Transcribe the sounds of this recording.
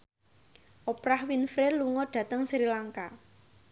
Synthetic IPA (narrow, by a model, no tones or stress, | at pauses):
ʔopɾahwinfɾeluŋɔɖ̥ä̤t̪əŋsɾilaŋka